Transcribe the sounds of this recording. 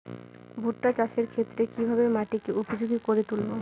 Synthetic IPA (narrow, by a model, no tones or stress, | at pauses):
bʱuʈːat͡ɕaʃeɾkʰet̪ːɾekibʱabemaʈikeupod͡ʑoɡikoɾet̪ulbo